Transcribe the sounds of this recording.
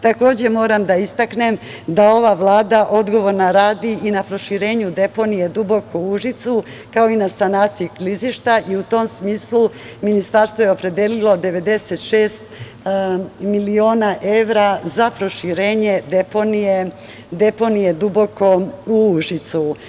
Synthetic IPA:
t̪ako̞ːd͡ʑe̞mo̞ːɾamd̪aist̪akne̞md̪ao̞ʋaʋlˠaːd̪aʔo̞d̪ɡo̞ʋo̞ɾnaɾaːd̪iinapɾo̞ʃiɾe̞ːɲud̪e̞po̞nije̞d̪ubo̞kouʒit̪sukao̞inasanaːt̪siikliziʃt̪aʔiut̪o̞msmiːslˠu | minist̪aɾst̪ʋo̞je̞o̞pɾe̞d̪eːlilo̞d̪e̞ʋe̞d̪e̞se̞t̪ʃeːst̪ | milio̞ːnaʔe̞ʋɾazapɾo̞ʃiɾeːɲe̞d̪eponije | d̪e̞po̞nije̞d̪ubo̞ko̞uuʒit̪su

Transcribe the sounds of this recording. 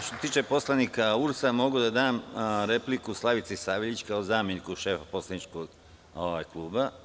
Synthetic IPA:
ʃt̪oset̪iːt͡ʃepo̞slˠanikauɾsamo̞ɡud̪ad̪aːmɾe̞plikuslˠaʋit̪sisaːʋiʎʲt͡ɕkaozaːmenikuʃe̞ːfapo̞slˠanit͡ʃkoɡ | oʋajklˠuːba

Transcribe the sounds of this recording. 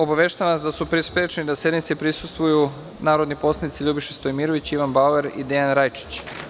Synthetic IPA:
o̞baʋe̞ʃt̪aʋaasd̪asupɾispɾet͡ʃnid̪ase̞d̪nit̪sepɾisust̪ʋuju | naːɾo̞d̪nipo̞slˠanit̪siʎubiʃest̪ojmiːɾo̞ʋit͡ɕiʋanbaueɾid̪eanɾajt͡ʃi̥t͡ɕ

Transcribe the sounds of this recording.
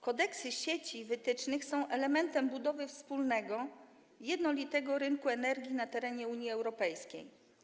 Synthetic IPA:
kɔd̪ɛksɘɕet͡ɕivɘt̪ɘt͡ʂnɘxsɔ̃w̃ʔɛlɛmɛnt̪ɛmbud̪ɔvɘfspulnɛɡɔ | jɛd̪nɔlʲit̪ɛɡɔɾɘŋkuɛnɛɾɡʲjinat̪ɛɾɛɲɛuɲjiɛwɾɔpɛjskʲḛj

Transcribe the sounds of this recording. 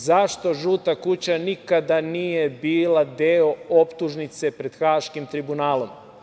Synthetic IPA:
zaʃt̪o̞ʒuːt̪akut͡ɕanikad̪aniːje̞biːlad̪eo̞opt̪uʒnit̪se̞pɾe̞d̪̥xaːʃkimt̪ɾibunaːlˠo̞m

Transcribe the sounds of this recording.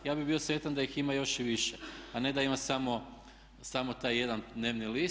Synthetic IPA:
jaːbibio̞sʋe̞t̪and̪aiximajo̞ʃiʋiʃeane̞d̪aimasamo̞ | samo̞t̪aːjːe̞d̪and̪ne̞ːʋnili

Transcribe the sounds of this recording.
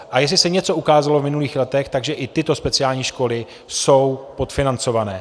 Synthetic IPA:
ʔajɛs̬lɪsɛɲɛt͡so̞ʔukaːzalovmɪnuliːxlɛt̪ɛxt̪aɡʒɛʔɪt̪ɪt̪o̞spɛt͡sɪaːlɲiːʃko̞lɪ | so̞wpot̪fɪnant͡so̞vanɛː

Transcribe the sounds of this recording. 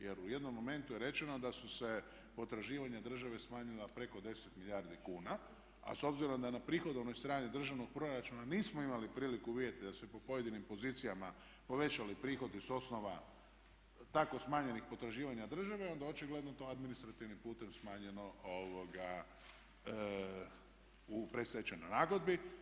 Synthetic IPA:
je̞ɾuje̞d̪no̞mːo̞me̞nt̪ujeɾe̞t͡ʃe̞no̞d̪asuse̞ | po̞t̪ɾaʒiːʋaɲad̪r̩ʒaʋe̞smaːɲilˠapɾe̞ko̞d̪e̞set̪miʎjaːɾd̪ikuːna | a̰so̞bziɾo̞md̪anapɾiːxo̞d̪onojst̪ɾaːnid̪r̩ʒaʋno̞ɡ̚pɾo̞ɾat͡ʃunaniːsmoimalipɾiːlikuʋiet̪id̪asepo̞po̞je̞d̪inimpo̞ziːt̪sijama | po̞ʋe̞t͡ʃalipɾiːxo̞d̪iso̞sno̞ʋa | t̪ako̞smaːɲe̞nixpo̞t̪ɾaʒiːʋaɲad̪r̩ʒaʋeo̞nd̪ao̞t͡ʃiɡle̞d̪not̪o̞ad̪minist̪ɾat̪iʋnimpuːt̪e̞msmaːɲe̞no̞oʋoɡa | upɾe̞t̪st̪ajet͡ʃenojnaːɡo̞d̪̚bi

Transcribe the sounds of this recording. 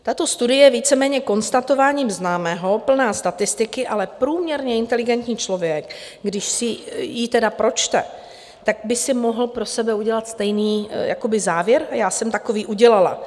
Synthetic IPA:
t̪at̪o̞st̪udɪjɛjɛviːt͡sɛmɛːɲɛko̞nst̪at̪o̞vaːɲimznaːmɛːɦo̞pl̩naːst̪at̪ɪst̪ɪkɪʔalɛpɾuːmɲɛɾɲɛɪnt̪ɛlɪɡɛnt̪ɲiːt͡ʃlo̞vjɛk | ɡdɪʃsɪjit̪ɛdapɾo̞t͡ʃt̪ɛ̰ | t̪aɡ̚bɪsɪmo̞ɦl̩pɾo̞sɛbɛuɟɛlat̪st̪ɛjniːja̰ko̞bɪzaːvjɛɾjaːsɛmt̪ako̞viːʔuɟɛlala̰

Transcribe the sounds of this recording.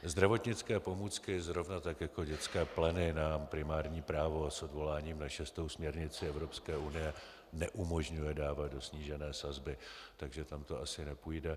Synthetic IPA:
zd̪ɾavo̞t̪ɲɪt͡skɛːpo̞muːt͡skɪzɾo̞vnat̪akjako̞ɟɛt͡skɛːplɛnɪnampɾɪmaːɾɲiːpɾaːvo̞aso̞dvo̞laːɲiːmnaʃɛst̪owsmɲɛɾɲɪt͡sɪɛvɾo̞pskɛːʔunɪjɛ | nɛʔumo̞ʒɲujɛdaːvat̪̚do̞sɲiːʒɛnɛːsazbɪt̪aɡʒɛt̪amt̪o̞ʔasɪnɛpuːjdɛ

